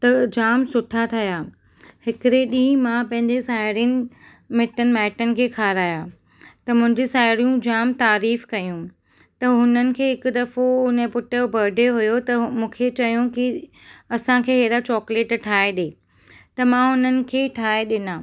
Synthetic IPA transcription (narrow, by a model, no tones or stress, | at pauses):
t̪ɐd͡ʑaːmsʊʈʰat̪ʰɐjaː | hɪkɪɾeɗĩːmãpɐ̃ɦɪ̃ɲd͡ʑesaːɪɾiənɪ̆ | mɪʈənɪ̆mɛːʈənɪ̆kʰeːkʰaːɾaːjaː | t̪ɐmʊ̃ɦɪ̃ɲd͡ʑesaːɪɾijũd͡ʑaːmt̪aːɾiːfkɐjũ | t̪ɐɦʊnənɪ̆kʰeːɦɪkʊ̆d̪ɐfoʊnəpʊʈəobɐɾɖʱeɦʊjot̪ɐmũːkʰet͡ɕɐjũki | ɐsãkʰeːɦeːɾat͡ɕɔːkleːʈʈʰaːeɗeː | t̪ɐmãɦʊnənɪ̆kʰeːʈʰaːeɗɪnãː